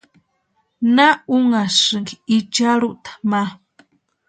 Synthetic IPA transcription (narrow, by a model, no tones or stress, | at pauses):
nauŋasɨŋɡiit͡ʃaɾuʔt̪ḁma